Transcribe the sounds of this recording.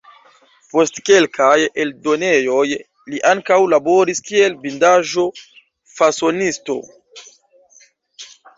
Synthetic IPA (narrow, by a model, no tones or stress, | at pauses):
po̞stke̞lkajeldo̞nejo̞j | liʔaŋkawlabo̞ɾiskielbindaʒo̞ | faso̞nisto̞̰